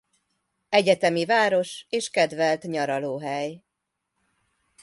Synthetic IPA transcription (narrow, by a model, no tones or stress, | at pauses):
ɛɟɛt̪ɛmivaːɾo̞ʃeːʃkɛd̪vɛlt̪ɲɒɾɒloːɦɛj